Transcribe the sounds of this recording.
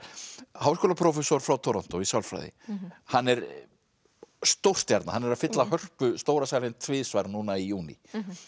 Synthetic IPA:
haːwskɔːlapʰɾɔːfɛsɔɾ̥fɾawt̪ʰɔɾɔn̥t̪ɔisawlfɾa̰jðɪ̰hanːɛɾ | st̪owr̥t̪jaɾt̪nahanːɛɾaðfɪt̪lahœr̥pʏst̪owɾasajɾɪnt̪ʰvɪːðsvajɾnuːnaijuːnḭ

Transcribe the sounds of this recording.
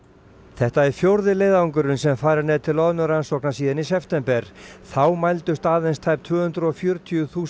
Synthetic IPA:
θɛht̪aɛɾ̥fjowɾðɪlejðauŋkʏɾʏnsɛmfaːjɾaɾnɛːðt̪ʰɪlɔðnʏɾansɔknasiːðɪnisɛft̪ɛmpɛɾ̥θawmajlt̪ʏst̪aːðɪnst̪ʰajp̚t̪ʰv̥ʏːhʏnt̪ɾʏɔfjʏːɾʏt̪ʰiʏθuː

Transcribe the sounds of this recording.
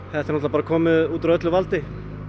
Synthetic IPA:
hɛt̪ːɛnɔt̪lapaːɾakʰɔːmɪðuːt̪ɾœt̪lʏvalt̪ɪ

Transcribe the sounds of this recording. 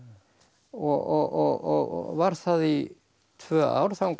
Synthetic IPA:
ɔɔɔɔvaɾ̥θaði | t̪ʰvœːa̰wɾ̥θawŋk

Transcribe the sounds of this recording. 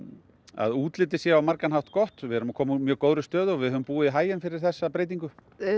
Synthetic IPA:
a̰ðuːt̪lɪt̪ɪsjɛawmaɾkanhawt̪kɔht̪vɪɛɾʏmakʰɔːmut̪mjœːɣkoːwɾʏst̪œːðʏɔvɪðhœvʏmpuːɪɦaːjɪnfɪɾɪɾ̥θɛsːapɾeːjt̪̬iŋkʏ

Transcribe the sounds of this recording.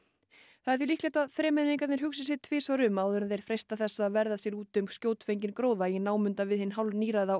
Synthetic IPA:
θaðɛɾθjilihlɛːt̪aðθɾɛːmɛðniŋkat̪nɛɾhɦʏksɪs̬ɛt̪ʰvɪːsvaɾʏmaːwðʏɾaθejɾ̥fɾejst̪aθɛsːaːðvɛɾðasjɛɾuːt̪ʏmscoːwt̪fejɲcɪnkɾoːwðainaːwmʏnt̪avɪðhɪnːɦawlniːɾaða

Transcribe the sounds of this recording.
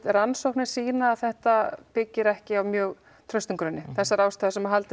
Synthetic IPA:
ɾansowhknɪ̥siːnaːθɛht̪apɪcːɪɾɛhcɪawmjœːɣ | t̪ʰɾœɥst̪iŋkɾʏnːɪθɛsːaɾaːwst̪aːðasɛmaɦalt̪ɪ

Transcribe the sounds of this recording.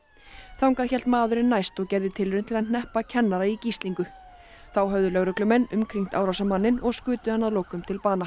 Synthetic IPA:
θawŋkaðçɛl̥t̪maːðʏɾɪnːajst̪ɔɣcɛɾðɪt̪ʰɪlvʏɾʏnt̪ʰɪlaðn̥ɛhpacʰɛnːaɾaicist̪liŋkʏ | θawɦœvðʏlœɣɾʏklʏmɛnːʏmkʰɾiŋ̥t̪aːwɾawsamanːɪnɔɣskʏːt̪ʏhanːaðloːwkʏmt̪ʰɪlpaːna

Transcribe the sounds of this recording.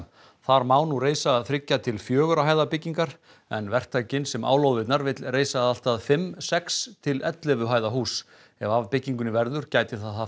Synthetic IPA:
θaɾmaːwnureːjsaːðθɾɪcːat̪ʰɪlfjœːɣʏɾaɦajðapɪcːiŋkaɾ̥ | ɛnvɛr̥t̪ʰajcɪnsɛma̰ːwlowðɪt̪naɾvɪt̪lreːjsaðal̥t̪aðfɪmsɛkst̪ʰɪlɛt̪lɪvʏɦaːjðaɦuːs | ɛvavpɪcːiŋkʏnɪvɛɾðʏɾ̥caːjt̪ɪθaθa

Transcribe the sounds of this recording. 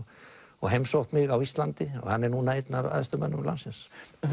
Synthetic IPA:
ɔɣɦejmsowht̪mɪɣawist̪lant̪ɪɔ̰ɣhanːɛɾnunaejt̪nava̰ðst̪ʏmanːʏmla̰nsɪns

